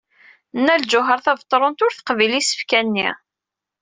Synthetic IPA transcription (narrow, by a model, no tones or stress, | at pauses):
nːæld͡ʒʊɦəɾˤθævt̪ˤːɾˤont̪ʊɾθə̥qvilisə̥fkænːḭ